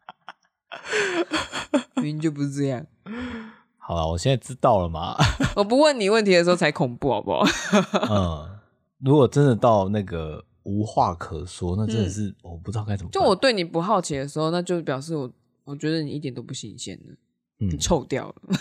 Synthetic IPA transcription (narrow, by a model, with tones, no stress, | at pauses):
ni˨˩t͡ɕjo˥˧ʊp̬u˧ʂ̩˥˧˩ɤ˥˧jɑ˥˨ŋ | xɑ˨˩ʊla̰˧wɔ˨˩ɕjɛ˥˧nt͡sa˥˩ʈ͡ʂɻ̩˦˥t̪ɑ˥˩ʊlə˩ma̰˨wɔ˨˩p̬u˧˦wə˥˩nni˨˩wə˥˩nt̪ʰi˧d̪ə˩ʂɻ̩˧˥o˥˩ʊt͡sʰa˧˥ɪkʰʊ˨˩ŋpu˥˨˩ɔ̰˨˩bɔ̰˨˦ | ə˩ | ɻu˧˦˥kwɔ˨˩ʈ͡ʂə˦nd̪ə˨t̪ɑ˥˧ʊna˥˩ɡə˩ | u˧˥xwa˥˩kʰɤ˨˩swɔ˥˦na˥˩ə˦nd̪ə˨˩ʂ̬ɻ̩˥˩wɔ˨˩pu˨˩ɨ˥t̪ka˥ɪt͡sə˨˩mət͡ɕa˥˧woɔ˨˩t̪we˥˩ɪni˨˩pu˧˥xɑ˥˩ʊt͡ɕʰi˨˦d̪ə˦ʂ̬ɻ̩˧˥xo˥˧ʊna˥˧t͡ɕjo˥˧ʊp̬jɑ˨˩ʊʂ̬ɻ̩˥˩wɔ˨˩ | wɔ˨˩t͡ɕɥɛ˧˥d̪ə˧ni˨ʔi˥˩t̪jɛ˨˩nt̪o˥ʊp̬u˥˩ɕḭ˧˩ŋɕjɛ̰˥˩nlə̰˩ | n̩˥ni˨˩ʈ͡ʂʰo˥˧ʊt̪jɑ̰˥˩ʊlə˩